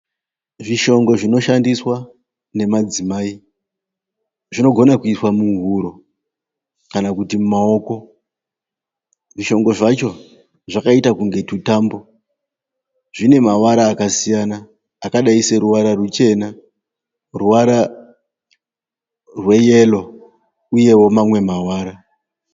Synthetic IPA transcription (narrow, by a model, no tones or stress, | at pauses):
ʐiʃo̞ŋɡo̞ʐino̞ʃandiswa | ne̞mad͡zimaːi | ʐino̞ɡʱo̞nakuiswamuŋɦuɾo̞ | kanakutimumao̞ko̞ | ʐiʃo̞ŋɡo̞ʐat͡ʃo̞ | ʐakaitakuŋɡe̞tutambo̞ | ʐine̞mawaɾaːkasijanaː | kaɗaiseɾuʋaɾarut͡ʃe̞na | ruʋaɾa | rwe̞je̞lo̞ | uje̞wo̞mamwe̞mawaːɾa